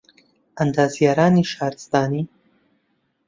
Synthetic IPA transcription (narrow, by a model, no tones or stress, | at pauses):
ʔɐnd̪aːzijaɾaːniːʃaːɾɨst̪aːniː